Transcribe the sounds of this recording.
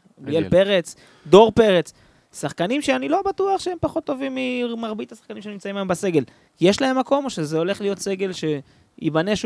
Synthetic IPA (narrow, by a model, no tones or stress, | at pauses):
bielpe̞ʁet͡s | d̪o̞ʁpe̞ʁet͡s | saχkanimʃeanilo̞bat̪uaχʃeempaχo̞t̪ːovimːimaʁbit̪asḁχkanimʃenimt͡saimaembase̞ɡe̞l | je̞ʃlaɦe̞mːako̞moʃezeo̞le̞χlijo̞t̪se̞ɡe̞lʃe̞ | ibaneʃ